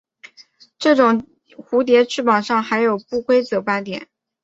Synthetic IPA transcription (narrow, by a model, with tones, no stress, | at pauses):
ʈ͡ʂɤ˥˩ʈ͡ʂʊ˨˩ŋ | xu˧˥t̪̬jɛ˧˥ʈ͡ʂʰɻ̩˥˩pɑ˨˩ʊʂɑ˥˩ŋxa˧˥ɪjo˨˩ʊpu˥˩kwe˥ɪt͡sɤ˧˥pa˥t̪jɛ̰˨˦n